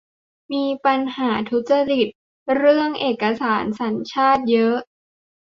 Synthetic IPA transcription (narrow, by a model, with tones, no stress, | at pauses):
miː˧pa˧nhaː˩˦t̪ʰu˦˥t̪̚t͡ɕa˧li˨˩t̪̚ | ɾɯ˥˩əŋʔeː˨˩kːa˧saː˩˦nsa˩˦nt͡ɕʰaː˥˩t̪̚jɤ˦˥ʔ